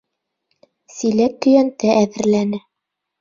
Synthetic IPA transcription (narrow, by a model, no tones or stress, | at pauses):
silækːɵ̆jænt̪ɘʔæðɘ̆ɾlænɘ